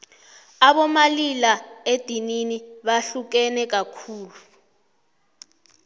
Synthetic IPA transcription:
aɓɔmalilaed̥ʱininiɓaɬuk̬ɛnɛk̬akʰuːlu

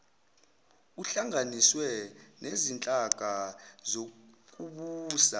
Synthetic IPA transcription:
uɬaŋaniswɛnezint͡ɬʼaɡ̥ʱazok̬ʼuɓuːsa

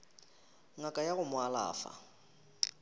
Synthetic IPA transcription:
ŋakʼajaɣʊmʊala̰ːfa̰

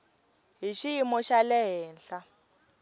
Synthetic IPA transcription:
ɦiʃijimɔʃalɛɦɛːnɬa

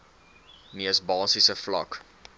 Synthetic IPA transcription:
niəsbɑːsisəflɐ̰k

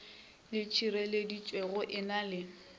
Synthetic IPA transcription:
lɪt͡ʃʰiɾɛledit͡ʃʼweɣʊʔɪnalɪ

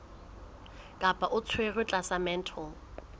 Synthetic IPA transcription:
kʼapʼaʔʊt͡sʰwerɪt͡ɬʼasamɛn̩tʰɔ

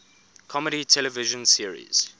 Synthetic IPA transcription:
kʰɔməɾitʰɛləvɪʒə̃nsiəɹḭz̥

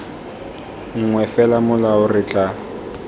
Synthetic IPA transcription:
ŋ̩ŋwɛfɛlamʊlaʊrɪt͡ɬʼa

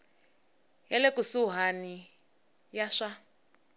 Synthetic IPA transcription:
ɦɛlɛkusuɦani | jaʂa

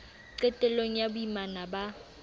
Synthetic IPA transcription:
ǀɛtʼɛloŋ̩jaɓjimanaɓa

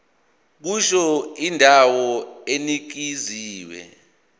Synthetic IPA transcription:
k̬uʃɔindʱawɔenik̬iziːwɛ̰

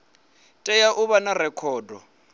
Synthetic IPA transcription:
tʼɛjaʔuβanarɛkʰɔːdʱɔ̰

